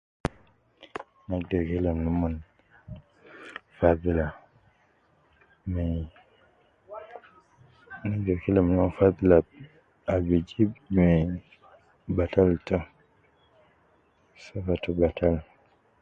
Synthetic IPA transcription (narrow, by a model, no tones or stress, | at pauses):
nadɔkilamnumun | faðila | mɛ | naɡɔkilamnumɔnfaðila | abid͡ʒibmɛ | bataltɔ | safatubatʰal